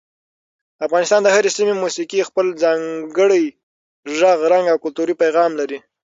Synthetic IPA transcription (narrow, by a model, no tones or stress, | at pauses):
afɣɑnɪst̪ɑnd̪əhaɾesimemusikixpəld͡zɑŋɡəɽəj | ʒaɣɾaŋɡawkʊlt̪uɾipajɣɑmlaɾi